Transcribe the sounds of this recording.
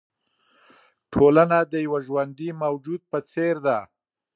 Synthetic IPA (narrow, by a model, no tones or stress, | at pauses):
ʈʰolanad̪əjawaʒwand̪imawd͡ʒud̪̚pət͡seɾd̪a